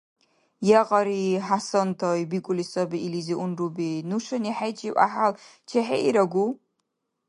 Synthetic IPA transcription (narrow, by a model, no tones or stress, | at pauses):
jɛqʼɐɾiħasɐntʰoibikʷʼʊlisɐbɨʔiliziʔʊnrubinuʂɐniħajt͡ʃʼiʔʼa̰ħal | t͡ʃʰeħeʔiɾɐɡʷu